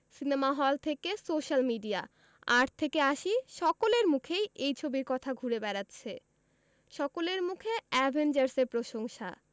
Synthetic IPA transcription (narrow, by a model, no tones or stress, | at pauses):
sinemaɦɔlt̪ʰekesoʃalmiɖia | aɾt̪ʰːekeaʃiʃɔkoleɾmukʰejʔejt͡ɕʰobiɾkɔt̪ʰaɡʱuɾebɛɾatːɕʰe | ʃɔkoleɾmukʰeɛbʱend͡ʑaɾseɾpɾoʃoŋʃa̰